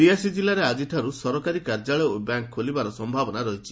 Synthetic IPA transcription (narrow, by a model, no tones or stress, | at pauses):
ɾiasid͡ʒilaɾead͡ʒiʈʰaɾusɔɾɔkaɾikaɾd͡ʒaɭɔobaŋkʰːolibaɾɔsɔmbʱabɔnaɾɔɦit͡ʃʰi̥